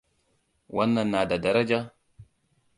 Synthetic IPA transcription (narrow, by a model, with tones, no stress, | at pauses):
wʔa˦nːa˨nːa˨da˨da˨ɾa˦d͡ʒa˦